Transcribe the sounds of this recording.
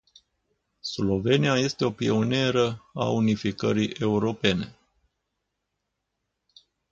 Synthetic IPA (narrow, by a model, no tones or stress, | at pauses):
slo̞ve̞nijaje̞st̪e̞o̞pio̞ne̞ɾəa̰unifikəɾiʔe̞uɾo̞pe̞ne̞